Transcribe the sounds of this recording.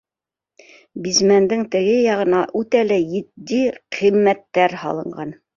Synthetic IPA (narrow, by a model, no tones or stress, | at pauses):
bizmænd̪ɘŋt̪ɘ̆ɡɘjɑʁɤ̆nɑʔʉt̪ælæjɘ̆t̪d̪iqʰĭmːæt̪ːæɾhɑ̰lˠɤ̆ɴɢɑn